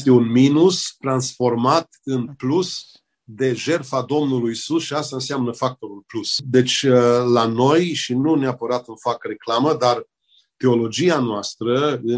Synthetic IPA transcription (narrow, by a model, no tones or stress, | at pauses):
st̪e̞unminust̪ɾansfo̞rmat̪ɨnplus | d̪e̞ʒe̞rfad̪o̞mnulujsusʃiast̪aɨnseamnəfak̚t̪o̞ɾulplusd̪e̞t͡ʃʲlano̞jʃinuneapəɾat̪ɨnfakre̞klaməd̪ar | t̪e̞o̞lo̞d͡ʒianoast̪ɾəɨ